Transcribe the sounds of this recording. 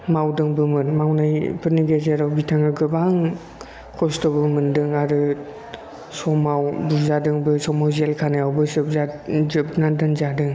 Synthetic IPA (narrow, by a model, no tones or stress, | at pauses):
mawdɯŋbɯmɯnmawnajpʰɯɾniɡezeɾawbitʰaŋɯɡɯbaŋ | kʰɔstɔbɯmɯndɯŋaɾɯ | sɔmawbuɾzadɯŋbɯsɔmawzelkʰanajawbɯsɯp̚zazɯp̚nandɯnzadɯŋ